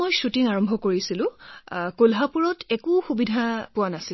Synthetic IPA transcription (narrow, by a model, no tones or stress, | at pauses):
ojsutiŋaɹɔmbʱɔkoɹisilʊ̃kolɦapuɹɔtɛkʊxubidʱapʊwanasi